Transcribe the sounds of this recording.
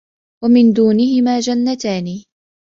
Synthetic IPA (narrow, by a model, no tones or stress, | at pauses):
wamɪnd̪uːnɪɦɪmaːd͡ʒanːat̪aːni